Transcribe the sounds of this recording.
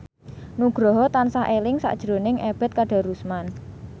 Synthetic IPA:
nuɡ̥ɾɔɦɔt̪ansaʔelɪŋsa̰ʔd̥ʒ̥ɾonɪŋʔeb̥ɛ̤t̪̚kaɖ̥a̤ɾusman

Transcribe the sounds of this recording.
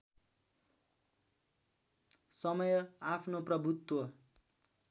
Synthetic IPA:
sʌmʌjʌapʰnoprʌbʱut̪wʌ

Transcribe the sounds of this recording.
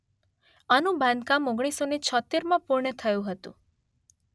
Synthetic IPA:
anũbãnd̪kamoɡɽ̃isːonet͡ʃʰɔt̪ːeɾmãpuɾɳət̪ʰəjũɦət̪ṵ̃

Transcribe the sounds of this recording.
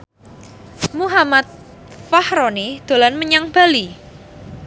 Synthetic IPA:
muɦamat̪̚ | fahɾonid̪̥o̤lanməɲaŋb̥a̤li

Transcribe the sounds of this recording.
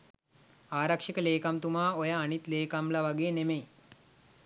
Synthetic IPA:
aːɾakʂekəleːkamt̪umaːojaːnit̪leːkamlaʋaɡeːnemej

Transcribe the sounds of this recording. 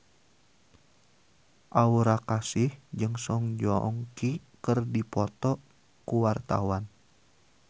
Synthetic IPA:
ʔauɾakasɪhd͡ʒɨŋsɔŋd͡ʒɔɔ̰ŋkikərdipɔt̪ɔʔ | kuwart̪a̰wan

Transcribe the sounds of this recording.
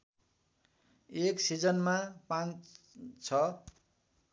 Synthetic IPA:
eksid͡zʌnmapãn | t͡sʰʌ

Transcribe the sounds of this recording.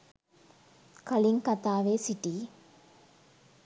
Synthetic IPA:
kɐliŋkɐt̪aːʋeːsiʈiː

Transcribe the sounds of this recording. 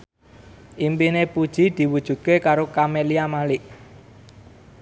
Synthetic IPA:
ʔimpinepud̥ʒ̥i̤d̪̥i̤wud̥ʒ̥ṳt̪̚kekaɾokameliamalɪʔ

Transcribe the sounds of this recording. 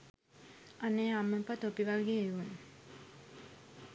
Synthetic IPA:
anːejamːəmpat̪opiʋaɡeːeʋunu

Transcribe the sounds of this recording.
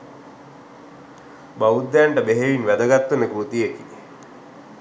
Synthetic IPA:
baud̪ːɛɳʈəbeɦeʋinʋæd̪əɡat̪ːunəɡɾut̪ijeki

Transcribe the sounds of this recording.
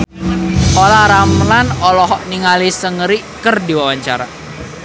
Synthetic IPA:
ʔolaɾamlanɔlɔɦɔʔniŋalisəŋəɾiʔkərdiwawaɲt͡ʃaɾa̰

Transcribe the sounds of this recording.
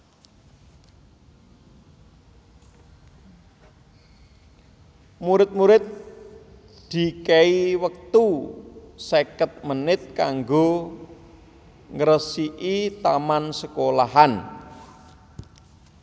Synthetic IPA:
muɾɪt̪̚muɾɪt̪̚ | d̪̥i̤kɛiwək̚t̪u | sekət̪̚mənɪt̪̚kaŋɡo | ŋəɾəsiʔit̪amansəkolaɦan

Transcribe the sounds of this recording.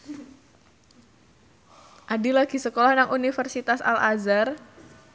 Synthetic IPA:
ʔadilaɡ̥isəkolahnaŋʔunifərsit̪asa̰lazar

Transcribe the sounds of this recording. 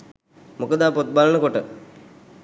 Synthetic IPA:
mokəd̪aːpot̪̚balənəkoʈə

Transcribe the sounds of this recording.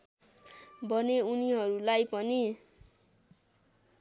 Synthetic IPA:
bʱʌneuniɦʌɾulajpʌni

